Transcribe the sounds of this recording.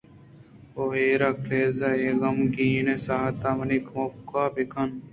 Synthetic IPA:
oɦeːɾaːkʰleːzaːeːɣɐmɡiːnesaːt̪aːmɐnikmokːaːbikʰɐn

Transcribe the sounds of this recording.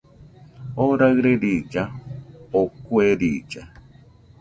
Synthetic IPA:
oɾaɣɾeɾid͡ʒaokweɾid͡ʒa

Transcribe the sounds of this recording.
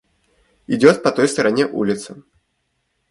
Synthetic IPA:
id͡zʲɔt̪pɐt̪ɔjst̪ɐɾanʲɛʔulʲɪt̪sɐ

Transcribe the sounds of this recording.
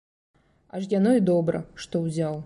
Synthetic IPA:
aʐjanɔid̪ɔbɾɐ̰ʂt̪ɔwzʲaw

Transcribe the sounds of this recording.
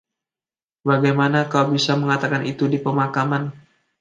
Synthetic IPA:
baɡajmanakawbisaməŋat̪akanit̪udipəmakaman

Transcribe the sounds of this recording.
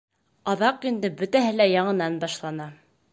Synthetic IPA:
ɑðɑqind̪ɘbɵ̆t̪æɦɘlæjɑɴɤ̆nɑnbɑʃlˠɑnɑ

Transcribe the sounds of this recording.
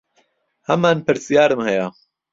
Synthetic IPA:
hɐmaːnpɨɾsijaːɾɨmhɛja

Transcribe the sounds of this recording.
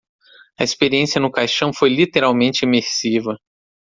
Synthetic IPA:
ɐespeɾiẽsiɐnʊkajʃɐ̃w̃fojlit̪eɾawmẽnt͡ʃɪemeɾsivɐ

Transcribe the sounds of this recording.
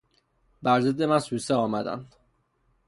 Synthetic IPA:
bæɾzed̪ːemænsuːsɛɒːmæd̪æ̰nd̪̥

